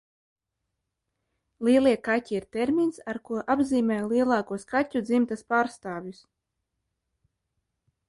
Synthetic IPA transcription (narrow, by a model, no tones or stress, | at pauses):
lˠiɛlˠiɛkatʲiiɾt̪eɾmʲinsaɾkuɔʔabziːmʲɛːjlˠiɛlˠɑːkuɔskatʲud̪zimt̪aspaːɾst̪aːvjus